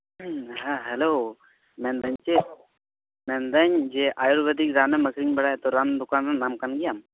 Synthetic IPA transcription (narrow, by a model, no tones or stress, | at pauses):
ɦaɦɛlo | mɛnd̪əɲt͡ʃe | mɛnd̪əɲd͡ʒeʔajuɾbəd̪ikzaneməkʰɾiŋbɛɽajt̪ɔɾand̪ukanɾanamkanɡijam